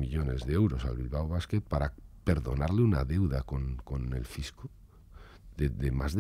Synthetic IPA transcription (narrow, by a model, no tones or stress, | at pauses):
miʎo̞ne̞zðeewɾo̞sa̰lβilβawβ̞aske̞t̪̚paɾape̞ɾðo̞̰naɾleunaðe̞wðakonko̞ne̞̰lfisko | ðeðemazð